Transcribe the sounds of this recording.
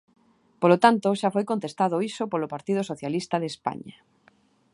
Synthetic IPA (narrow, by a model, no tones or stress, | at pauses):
polot̪ant̪oʃafojkont̪est̪að̞oisopolopaɾt̪ið̞osoθjalist̪aðespa̰ɲa